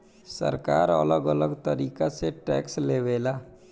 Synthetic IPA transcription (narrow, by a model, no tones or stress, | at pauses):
sə̰ɾkaːɾə̰ləɡələɡt̪əɾiːkaseʈɛ̰ːksleːʋeːlaː